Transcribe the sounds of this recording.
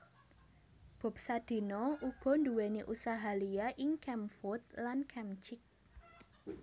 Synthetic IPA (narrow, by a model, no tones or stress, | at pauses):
b̥ɔ̤p̚sad̪̥i̤nɔuɡ̥ɔ̤nduweneʔusaɦalijaʔɪŋkɛmfʊt̪̚lankʰɛmt͡ʃɪk̚